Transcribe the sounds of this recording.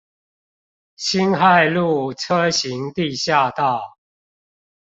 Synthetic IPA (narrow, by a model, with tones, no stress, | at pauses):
ɕi˦nxa˥˨˧ɪlu˥˨ʈ͡ʂʰɤ˦ɕi˨˦ŋt̪i˥˨ɕja˥˧t̪a˥˨ʊ